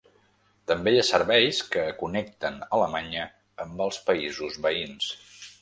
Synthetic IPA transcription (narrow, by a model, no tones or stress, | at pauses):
t̪əmbejasəɾβɛjskəːkunɛk̚t̪ənələmaɲəː | mbəlˠspəizuzβəins